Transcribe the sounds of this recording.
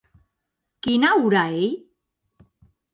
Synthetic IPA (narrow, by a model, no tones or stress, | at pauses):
kinauɾaej